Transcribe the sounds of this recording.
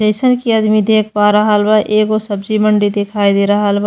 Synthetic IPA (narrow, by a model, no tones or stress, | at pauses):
d͡ʒəɪsənkiɐd̪mid̪ʱeːk̚ʰpaɾɐɦalbaʔeːɡosəbd͡ʒiməɳɖid̪ekʰaːid̪eːɾɐɦalb